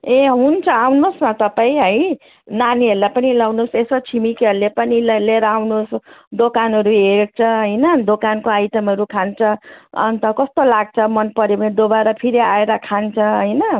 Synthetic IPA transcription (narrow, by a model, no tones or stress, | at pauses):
ẽɦunt͡sʰʌawnosnʌt̪ʌpaĩɦʌj | naniʌɾulajpʌnilawnosesot͡sʰimikʌɾlepʌnilleɾawnosd̪okanɦʌɾuɦeɽt͡sʰʌɦʌjnʌd̪okankoajʈʌmʌɾukʰant͡sʰʌʌ̰nt̪ʌkʌst̪olaɡ̚t͡sʰʌmʌnpʌɾemed̪obaɾʌpʰiɾiaeɾʌkʰant͡sʰʌɦʌjnʌ